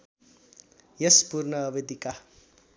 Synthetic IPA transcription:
jʌspurnʌːbed̪ika

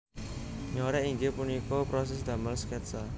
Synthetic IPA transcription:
ɲoɾɛʔiŋɡepunikɔpɾɔs̬ɛsd̪a̤malskɛt̪sa

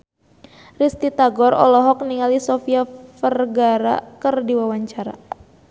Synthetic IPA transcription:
rist̪it̪aɡɔrɔ̰lɔɦɔk̚niŋalisɔfiafərɡaɾa̰kərdiwawaɲt͡ʃaɾa̰

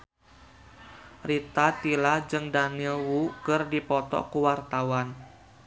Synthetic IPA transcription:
rit̪at̪ilad͡ʒɨŋdanilwukərdipɔt̪ɔ̰kuwart̪awan

